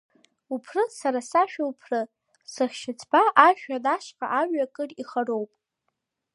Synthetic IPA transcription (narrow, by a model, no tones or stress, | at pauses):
upʰrɨsaɾasaʃᶣaupʰrɨ | sɨχʲʃɪt͡sʰbaʔaʒᶣadaʃqʼa̰ʔaɥakʼɨriχaro̞wpʼ